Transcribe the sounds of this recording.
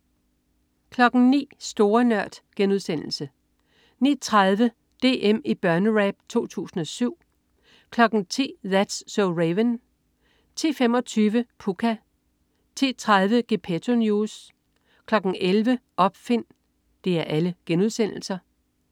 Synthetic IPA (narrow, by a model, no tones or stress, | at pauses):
kʰlɒ̽ɡ̥n̩nḭːsd̥o̝ːɐnɶɐ̰d̥ɡ̥enuð̞ˠsen̰l̩sə | nḭːt͡sʰʁað̞ˠʋə | d̥e̝̰ːʔem̰ib̥ɶɐnəʁæb̥̚t͡sʰo̝̰ːt͡sʰṵːsn̩ɒ̽syʊ̰ | kʰlɒ̽ɡ̥n̩t͡sʰḭːðæd̥sːɔʊʁeʋən | t͡sʰḭːfem̰ɒ̽t͡sʰyːʋəpʰukʰæ | t͡sʰḭːt͡sʰʁað̞ˠʋəɡ̥e̝pʰet͡sʰo̝njuːs | kʰlɒ̽ɡ̥n̩ʔelʋəʔɒ̽b̥fe̝n̰ | d̥e̝æɐʔæləɡ̥enuð̞ˠsen̰l̩sɐ